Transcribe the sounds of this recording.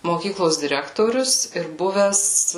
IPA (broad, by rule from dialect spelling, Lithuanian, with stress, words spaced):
moːˈkʲiːklˠoːs dʲɪˈrʲæːktoːrʲʊs ɪr ˈbʊʋʲɛs